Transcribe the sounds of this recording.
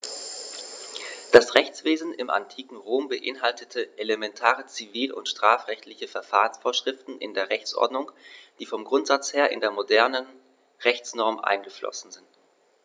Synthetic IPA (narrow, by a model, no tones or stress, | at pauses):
d̥asʁɛçt͡sv̥eːzn̩ʔɪ̰mʔa̰ntʰiːkŋ̩ʁoːmbəʔɪnɦaltʰətʰəʔelemɛntʰaːʁət͡siviːlʊ̰ntʃtʁ̥aːfʁɛçtlɪçəfɛɐfaːʁənsfoːɐʃʁ̥ɪftn̩ʔɪ̰ndeːɐʁɛçt͡sʔɔ̰ɐdnʊŋd̥iːfɔmɡʁʊntz̥at͡sheːɐʔɪ̰ndeːɐmodɛɐnən | ʁɛçt͡snɔɐmʔa̰ɪnɡəflɔ̰sn̩zɪnt